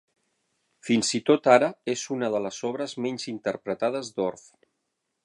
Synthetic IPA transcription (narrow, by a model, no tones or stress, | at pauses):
finzit̪ot̪aɾəezunəð̞ələzɔβ̞ɾəzmeɲʲzint̪əɾpɾət̪að̞əzd̪oɾf